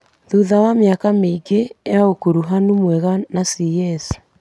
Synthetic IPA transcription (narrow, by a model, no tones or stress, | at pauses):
ðuðawameakameiɡejaokuɾuɦanumwɛɣanasiɛs